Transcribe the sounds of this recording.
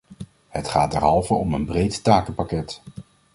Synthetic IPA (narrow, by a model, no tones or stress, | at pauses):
hətχaːd̚ɛ̰ɹɦɑlˠvəɔmənbrejttaːkəpakɛt